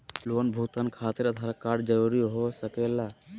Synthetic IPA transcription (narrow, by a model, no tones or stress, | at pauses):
lonbʱut̪ənkʰaːt̪iɾət̪ʰaɾkaɾd͡ʒəɾuɾiɦosəkela